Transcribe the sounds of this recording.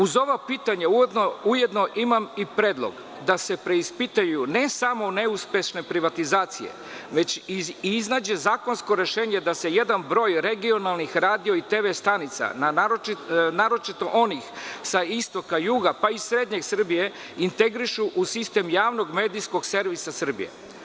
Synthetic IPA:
uzo̞ʋapiːt̪aɲaujd̪nouje̞d̪no̞ʔimamipɾeːd̪lˠo̰ɡ | d̪ase̞pɾe̞ispit̪ajjunesamo̞ne̞uspe̞ʃne̞pɾiʋat̪izaːt̪sijḛ | ʋe̞t͡ɕiznaːd͡ʑe̞zaːko̞nsko̞ɾe̞ʃeːɲe̞d̪ase̞je̞d̪anbɾo̞ːjɾe̞ɡio̞nalˠnixɾaːd̪io̞it̪eʋest̪anit̪sa̰na | naɾo̞t͡ʃit̪o̞ʔo̞nixsaist̪o̞kajuːɡapaisɾe̞d̪ɲe̞sr̩bije̞ | int̪e̞ɡɾiʃuʔusist̪e̞mjaːʋno̞ɡmeːd̪ijsko̞ɡse̞ɾʋisasr̩bḭjḛ

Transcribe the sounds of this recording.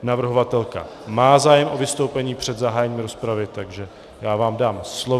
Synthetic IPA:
navr̩ɦovat̪ɛlka̰maːzaːjɛmʔo̞vɪst̪o̞wpɛɲiːpr̝̥ɛd̪zaɦaːjɛɲiːmɾo̞spɾavɪt̪aɡʒɛ | jaːvaːmdaːmslo

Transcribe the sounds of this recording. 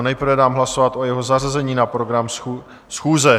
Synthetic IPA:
nɛjpɾvɛdaːmɦlaso̞vat̪ʔo̞jɛɦo̞zarazɛɲiːnapɾoɡɾam | sxuːzɛ

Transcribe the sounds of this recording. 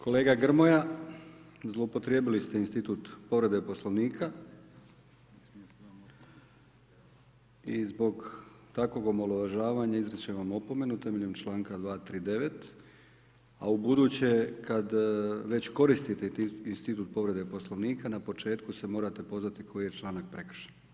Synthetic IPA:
kʰo̞le̞ːɡaɡr̩mo̞ja | zlˠo̞upo̞t̪ɾje̞ːbilist̪einst̪it̪ut̪po̞ʋɾe̞d̪epo̞slˠoʋniːkʰa | izbo̞ɡt̪akʋo̞ɡomolˠoʋaʒaːʋaɲaizɾət͡ɕeʋamo̞po̞me̞nut̪e̞meʎe̞mt͡ʃlˠaːŋkad̪ʋaːt̪ɾiːd̪e̞ʋe̞t̪ | a̰ubud̪uːt͡ɕekad̪ʋe̞t͡ɕko̞ɾist̪it̪einst̪it̪uːt̪̚po̞ʋɾe̞d̪epo̞slˠoʋniːkanapo̞t͡ʃe̞ːt̪kuse̞mo̞ːɾat̪e̞po̞zʋat̪ikʰo̞jije̞t͡ʃlˠaːnak̚pɾe̞kr̩ʃen

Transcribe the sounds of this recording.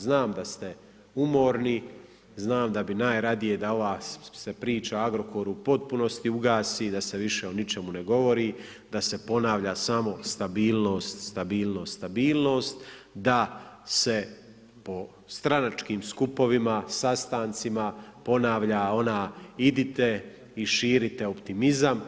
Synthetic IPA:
znaːmd̪ast̪e̞ | umo̞ːɾni | znaːmd̪abinaːjɾad̪ije̞d̪ao̞ʋaːse̞pɾiːt͡ʃaaɡɾo̞koɾuupo̞t̪̚puno̞st̪iuɡaːsiːd̪ase̞ʋiʃe̞onit͡ʃe̞mune̞ɡo̞ʋo̞ɾiː | d̪ase̞po̞naːʋʎaːsamo̞st̪abiːlˠno̞ːst̪st̪abiːlˠno̞ːst̪abiːlno̞ːst̪d̪ase̞ | po̞ | st̪ɾanat͡ʃkiːmskupo̞ʋimasast̪aːnt̪simapo̞naːʋʎaːo̞naːid̪it̪e̞ | iʃiːɾit̪e̞opt̪imizam

